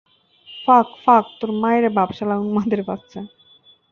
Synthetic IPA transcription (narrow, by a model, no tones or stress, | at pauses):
fakfak̚t̪oɾmajɾebabʃalaunmad̪eɾpast͡ɕʰe